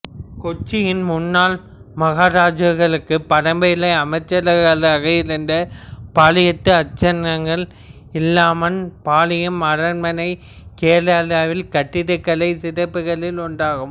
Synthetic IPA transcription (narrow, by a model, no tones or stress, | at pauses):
kɔt͡ʃːɪjɪnmʊnːaːl | mɐɣaːɾaːd͡ʒɯɣɐɭɯkːɯpːɐɽɐmbɐjlɐɪɐmɐɪt͡ʃːɐɾɐɾɣɐɭaːɣɐɪɾɯnd̪ɐpaːlɪjɐt̪ːɯɐt͡ʃːɐnːɐŋɡɐɭ | ɪlːaːmɐnpaːlɪjɯmɐrɐnmɐnɐɪ | keːlaːlaːʋɪlkɐʈːɪɽɯkːɐlɐɪsɪɾɐpːɯɣɐɭɪlʊɳɖaːɣɯm